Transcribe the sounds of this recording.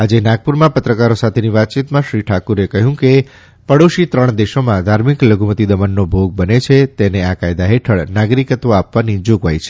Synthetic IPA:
ad͡ʒenaɡ̚puɾmãpət̪ɾəkaɾosat̪ʰeniʋat̪̚t͡ʃit̪mãʃɾiʈʰakuɾekəɦjũke | pəɽoʃit̪ɾəɳ̃d̪eʃomãd̪ʱaɾmikləɡʱumət̪id̪əmanːobʱoɡ̚bənet͡ʃʰet̪eneakajd̪aɦeʈʰəɭnaɡɾikət̪oapʋanid͡ʒoɡʋajt͡ʃʰe̥

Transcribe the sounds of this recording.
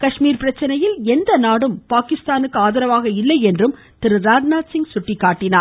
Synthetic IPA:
kɐʂmiːɾpɪɾɐt͡ʃːɐnɐjɪlɛnd̪ɐnaːɽɯmpaːkɪst̪aːnɯkːɯaːðɐɾɐʋaːɣɐɪlːɐɪɛndrɯm | t̪ɪɾɯɾaːd͡ʒnaːʈsɪŋɡsʊʈːɪkːaːʈːɪnaːɾ

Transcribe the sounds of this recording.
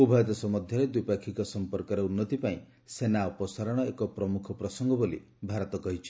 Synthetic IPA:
ubʱajt̪ɔsɔmɔd̪ʱjɔɾed̪uijpakʰikɔsɔmpɔɾkɔɾeunːɔt̪ipaĩ | senaɔpɔsaɾɔɽ̃ɔekɔpɾɔmukʰɔpɾɔsɔŋɡɔbolḭ | bʱaɾɔt̪ɔkɔɦit͡ʃʰi̥

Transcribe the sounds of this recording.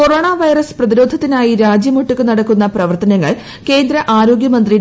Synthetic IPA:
ko̞roːɳaːʋɐjrɐsprɐðiɾo̞ːd̪ʱɐt̪ːinaːjiɾaːd͡ʑjɐmuʈːukːɨnɐɽɐkːunːɐprɐʋɐrt̪ɐnɐŋːɐɭ | ke̞ːnd̪ɾɐʔaːɾo̞ːɡjɐmɐnd̪ri

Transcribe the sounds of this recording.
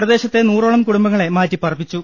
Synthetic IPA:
rɐðe̞ːɕɐt̪ːenuːroːɭɐmkuɽumbɐŋːɐɭe̞maːtːipɐrɐpːit͡ɕːu

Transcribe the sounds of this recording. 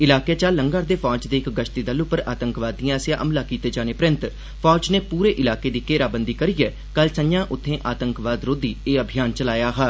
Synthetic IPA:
ɪlaːkeːt͡ʃaːlːəŋɡaːɾd̪eːfʰɔːd͡ʒd̪eːɪkɡəʃt̪iːd̪əlʊpəɾaːt̪əŋkʋaːd̪ijãːsjãːʔəmlaːkiːt̪eːd͡ʒaːneːpɾɪ̃nt̪ | pʰɔːd͡ʒneːpuːɾeːʔɪlaːkeːd̪iːkeːɾaːbənd̪iːkəɾiːɛː | kəlsəɲjãːʔʊt̪ʰːẽːʔaːt̪əŋkʋaːd̪ɾoːd̪iːeːəbʱɪjaːnt͡ʃəlaːjaːɦaː

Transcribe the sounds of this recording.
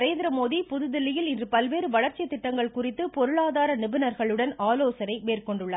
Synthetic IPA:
ɾeːnd̪ɾɐmoːðipʊðɯðɪlːɪjɪlɪndrɯpɐlʋeːɾɯʋɐɭɐɾt͡ʃːɪɐt̪ːɪʈːɐŋɡɐɭkʊrɪt̪ːɯpɔɾɯɭaːðaːɾɐnɪbɪnɐɾɣɐɭɯɽɐnaːloːsɐnɐɪmeːrkɔɳɖɯɭːa

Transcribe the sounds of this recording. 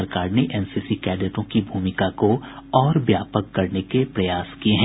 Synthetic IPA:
ɐɾkaːɾneʔɛːnsiːsikɛːd̪əʈõkibʱuːmɪkakoɔːɾbjaːpəkːɐɾnekepɾɐjaːskieɦɛ̃

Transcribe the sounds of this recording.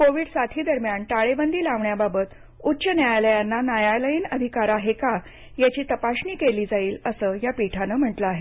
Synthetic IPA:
koʋiːɽsat̪ʰiːd̪əɾmjaɳʈaɭebənd̪iːlaʋɳjababət̪ | utːɕənjajaləjanːanajaləjinəd̪ʱikaɾaɦeka | jat͡ɕiːt̪əpaɕɳiːkeliːd͡zaiːləsəjapiʈʰanəm̤əʈləaɦe

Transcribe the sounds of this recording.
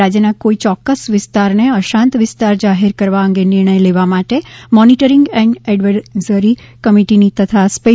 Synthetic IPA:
ad͡ʒjənakoit͡ʃɔkːəsʋɪst̪aɾneəʃãnt̪ʋɪst̪aɾd͡ʒaɦeɾkəɾʋaəŋɡenɪɾɳ̃əjleʋamaʈemɔniʈəɾiŋɡɛ̃ɳɖɛɖʋəzəɾikəmiʈinit̪ət̪ʰaspe

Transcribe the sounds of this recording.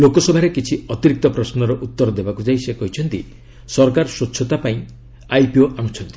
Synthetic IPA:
lokɔsɔbʱaɾekit͡ʃʰiɔt̪iɾik̚t̪ɔpɾɔsnɔɾɔʔut̪ːɔɾd̪ebakud͡ʒaisekɔɦit͡ʃʰɔnt̪i | sɔɾkaɾɔsotːt͡ʃʰʃʰɔt̪apaĩ | ajpioʔañut͡ʃʰɔnt̪i̥

